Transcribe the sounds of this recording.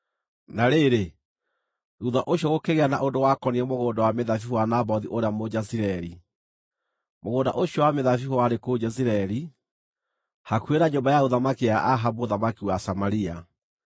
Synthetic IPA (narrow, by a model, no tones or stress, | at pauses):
naɾeɾe | ɣuðaʔoɕjɔɣokeɣeana̰ʔondowakɔniɛmoɣoːndawameðafiwanaβɔðiʔoɾeamod͡ʑaziɾɛɾi | moɣoːnda̰ʔoɕjɔwameðafihɔwaɾekod͡ʑɛziɾaɛɾi | hakweɾaɲobajaoðamakijaʔaɦaboðamakiwasamaɾia